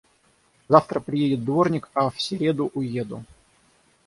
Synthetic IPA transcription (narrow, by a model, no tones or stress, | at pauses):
zaft̪ɾəpɾʲɪjedʲɪt̪̚d̪vo̞rnʲɪkɐfsʲɪɾʲe̞d̪ʊʔʊje̞d̪ʊ̰